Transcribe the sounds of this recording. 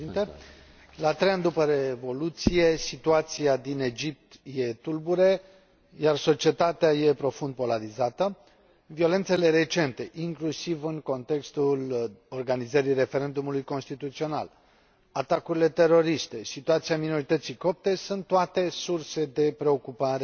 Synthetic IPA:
nt̪e | lat̪ɾe̞jand̪upəɾevo̞lut̪sije̞sit̪uat̪siad̪ine̞d͡ʒip̚t̪je̞t̪ulbuɾe | jarso̞t͡ʃie̞t̪at̪eaje̞pɾo̞fund̪̚po̞laɾizat̪ə | vio̞le̞nt̪se̞le̞ɾe̞t͡ʃe̞nt̪e̞ʔiŋklusivɨŋko̞nt̪e̞kst̪ulo̞rɡanizəɾijre̞fe̞ɾe̞nd̪umulujko̞nst̪it̪ut̪sio̞na̰l | at̪akuɾile̞t̪e̞ɾo̞ɾist̪e̞sit̪uat̪siamino̞ɾit̪ət̪siko̞p̚t̪esunt̪ːoat̪e̞surse̞d̪e̞pɾe̞o̞kupaɾe̞

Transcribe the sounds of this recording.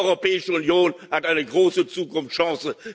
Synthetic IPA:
ɔʏʁopɛːɪʃəʊnjoːnhatʔaɪnəɡʁoːsət͡suːkʊmfʃɑ̃ːsə

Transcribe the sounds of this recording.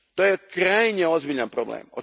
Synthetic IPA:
t̪ojekɾajɲeozbiːʎanpɾoblˠḛːmo

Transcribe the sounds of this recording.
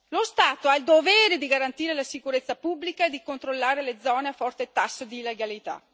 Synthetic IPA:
lost̪aːt̪oaild̪ovɛːɾed̪iɡaɾant̪iːɾelasikuɾet̪sːapubːlikaed̪ːikont̪ɾolːaːɾeled̪zɔːneafɔrt̪et̪asːod̪iːlːeɡalit̪a̰

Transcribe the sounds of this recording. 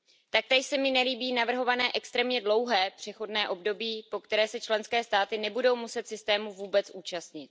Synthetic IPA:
t̪ak̚t̪ɛʃsɛmɪnɛliːbiːnavr̩ɦo̞vanɛːʔɛkst̪ɾɛːmɲɛdlo̞wɦɛːpr̝̥ɛxo̞dnɛːʔo̞bdo̞biːpo̞kt̪ɛɾɛːsɛt͡ʃlɛnskɛːst̪aːt̪ɪnɛbudo̞wmusɛt̪sɪst̪ɛːmuvuːbɛt͡sʔuːt͡ʃast̪ɲɪt̪̚

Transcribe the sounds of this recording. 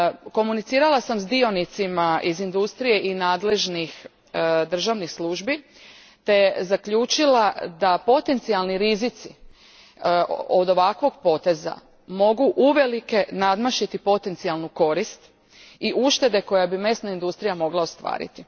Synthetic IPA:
ko̞munit̪siːɾalasamzd̪io̞nit̪simaʔizind̪ust̪ɾije̞ʔinaːd̪le̞ʒnix | d̪r̩ʒaʋnixsluːʒbi | t̪e̞zakʎuːt͡ʃilad̪apo̞t̪e̞nt̪sialniɾizit̪si | od̪o̞ʋakʋo̞ɡpo̞t̪e̞za̰ | mo̞ɡuʔuʋe̞like̞nad̪maʃit̪ipo̞t̪e̞nt̪sialˠnuko̞ɾist̪ | iʔuʃt̪e̞d̪e̞ko̞jabime̞snaind̪ust̪ɾijamo̞ɡlˠaost̪ʋa̰ːɾḭt̪i

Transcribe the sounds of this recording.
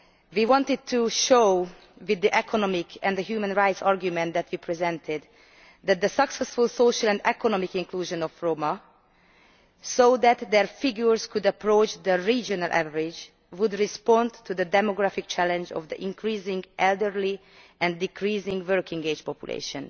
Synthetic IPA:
wiːwɔ̃nt̪ɪd̪̚t̪ʰuʃoʊ | wɪd̪ːiʔɛkʰɔnɔmɪkʰɛ̃nd̪əɦjuːmə̃nɹaɪt̪sɑɹɡjumɛ̃nt̪d̪ɛt̪ʋipʰɹizɛ̃nt̪ʰɪd̪ | d̪æt̪̚d̪əsʌksɛsfulsoʃəlɛ̃nd̪ɛkʰɔnɔmikɪ̃ŋkluːʒɔ̃nɔfɹoma | sod̪æt̪d̪ɛɹfɪɡjuɹzkud̪əpɹoːt͡ʃd̪əɹiːd͡ʒɔnəlʔæ̰vəɹɪd͡ʒ | wud̪ɹɪspɔ̃ntud̪əd̪ɛmoɡɹæfik̚t͡ʃælɛ̃nd͡ʒɔ̰vd̪ə̰ʔĩŋkʰɹiːzɪ̃ŋɡʔɛld̪əɹli | ʔɛ̃ndikʰɹiːzɪ̃ŋɡvɜɹkɪ̃ŋɡed͡ʒpɔpjṵlʔḛːʃə̃n

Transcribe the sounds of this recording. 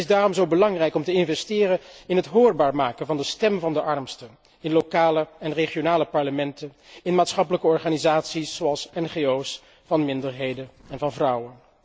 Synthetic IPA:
ɪzdaːrɔmzowbəlɑŋrɛjkɔmtəɪnvɛstɪːrənɪnɦətɦʊːɹbaːɹmaːkənvɑndəstɛmvɑndəʔɑɹmstə | ɪnlokaːləɛnreχijonaːləpɑɹləmɛntənɪnmaːtsχɑpələkəɔɹχaːnizaːtsisːoɑlˠsɛnχeows | fɑnmɪndəɹɦejdənɛnvɑnvrʌwən

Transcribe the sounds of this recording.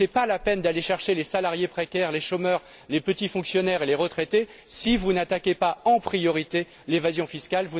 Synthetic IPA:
sɛpalapɛnd̪aleʃɛʁʃelesalaʁjepχekʲɛʁleʃomœʁ | lepət̪ifɔ̃ksjɔnɛʁeleʁət̪χet̪e | sivunat̪akʲepaɑ̃pχijɔʁit̪e | levazjɔ̃fiskʲalvu

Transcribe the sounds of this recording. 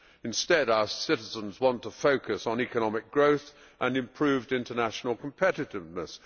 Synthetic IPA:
ɨ̃nstɛɾaʊə˞sɪɾɪzə̃nzwɑ̃ntʰəfoʊkɨsn̩ikənɑmɪk̚ɡ̥ɹoʊθ | ʔə̃nɨ̃mpʰɹ̥ʉvdɪ̃ntənæʃnl̩ˠkʰə̃m̩pʰɛɾɨɾɪvnəs

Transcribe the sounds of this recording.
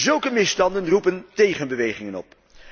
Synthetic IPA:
zɵlˠkəmɪstɑndənrupəntejχənbəʋejχɪŋənɔ̰p

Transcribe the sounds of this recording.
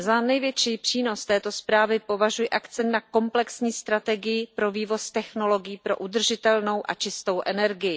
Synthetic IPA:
zanɛjvjɛt͡ʃiːpr̝̥iːno̞st̪ɛːt̪o̞spɾaːvɪpo̞vaʒujɛʔak̪t͡sɛnt̪nako̞mplɛksɲiːst̪ɾat̪ɛɡɪjɪpɾo̞viːvo̞st̪ɛxno̞lo̞ɡɪjiːpɾo̞̰ʔud̪r̩ʒɪt̪ɛlno̞wʔa̰t͡ʃɪst̪o̞wʔɛnɛɾɡɪjɪ

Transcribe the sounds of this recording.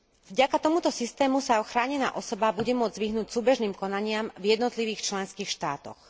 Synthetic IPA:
vɟakat̪ɔmut̪ɔsist̪ɛːmusaɔxɾaːɲɛna̰ːʔɔsɔbabuɟɛmʊɔd͡zzʋiɦnuːcsuːbɛʒniːmkɔnaɲɪamvjɛd̪nɔt̪liʋiːxt͡ʃlɛnskiːxʃt̪aːt̪ɔ̰x

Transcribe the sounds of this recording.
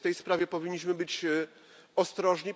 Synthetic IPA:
t̪ɛjspɾavʲjɛpɔvʲiɲːiɕ̬mɘbɘt͡ɕ | ɔst̪ɾɔʐɲi

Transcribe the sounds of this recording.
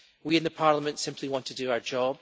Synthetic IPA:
wiɪ̃nðəpʰaɹlˠəmə̃ntsɪ̃mpʰlˠiwɔ̃ntʰədəaʊə˞d͡ʒɔb̥

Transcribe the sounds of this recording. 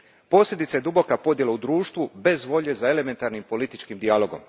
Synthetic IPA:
po̞ːslʲe̞d̪it̪sajed̪ubo̞kapo̞d̪je̞laud̪ɾuːʃt̪ʋube̞zʋo̞ʎezae̞le̞me̞nt̪aɾnimpo̞lit̪it͡ʃkimd̪ialo̞ɡo̞m

